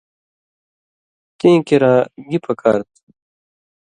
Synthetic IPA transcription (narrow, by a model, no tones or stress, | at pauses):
t̪ẽːkeɾãːɡipʰɐka̰ːɾt̪